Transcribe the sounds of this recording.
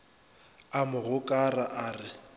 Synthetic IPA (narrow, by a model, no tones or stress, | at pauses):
amʊɣʊkʼaraʔaːrɪ